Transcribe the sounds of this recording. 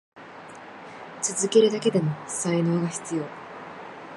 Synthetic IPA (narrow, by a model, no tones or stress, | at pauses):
t͡sɨzɨke̞ɾɯ̟d̪ake̞d̪e̞mosaino̞ːɡaçi̥t͡sɨjo̞ː